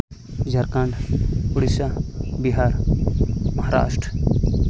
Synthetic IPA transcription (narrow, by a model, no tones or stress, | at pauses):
d͡ʒɐɾkãɳɖpuɽisabiɦaɾ | mɐɦaɾa̰ːsʈɾ